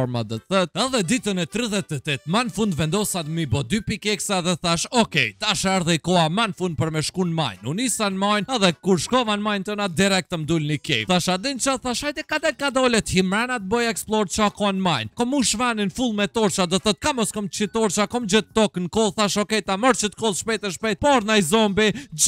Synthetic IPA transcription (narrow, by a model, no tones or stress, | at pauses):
ɔɾmad̪ɔt̪θət̪ɛðɛd̪it̪ənɛt̪ɾiðɛt̪ːɛt̪ɛt̪manfund̪vɛnd̪ɔsat̪mibɔd̪ypikɛksaðɛθaʃɔkɛjt̪aʃɛɾðɛjkɔamanfund̪̚pəɾmɛʃkunma̰jnunisanmajnɛðɛkuɾʃkɔvanmajnt̪ɔnad̪iɾɛk̚t̪əmd̪ulnikɛ̰jθaʃad̪ɛnt͡ʃaθaʃajt̪ɛkad̪ɛkad̪ɔlət̪himɾanat̪̚bɔjɛksplˠɔɾt͡ʃɔkɔanmajnkɔmuʃvaninfulˠmɛt̪ɔɾt͡ʃad̪ɔθɔt̪̚kamɔskɔmt͡ʃit̪ɔɾt͡ʃakɔmd͡ʑət̪ːɔknkɔlˠθaʃɔkɛjt̪amɔɾt͡ʃət̪kɔlˠʃpɛjt̪ɛʃpɛjt̪̚pɔɾnajzɔmbi